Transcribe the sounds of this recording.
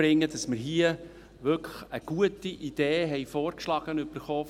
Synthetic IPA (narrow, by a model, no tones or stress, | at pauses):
ɾɪŋːəd̥ɑsmɪɾɦiə | ʋʏkʰə̥χəɡ̥uətiʔid̥eːɦɛɪfɔːrkʃlɑɡ̥ənʏb̥əɾχɔː